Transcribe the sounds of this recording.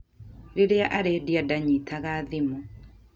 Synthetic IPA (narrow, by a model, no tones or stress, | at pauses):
ɾeɾeaʔaɾedjadaɲitʰaɣaðimu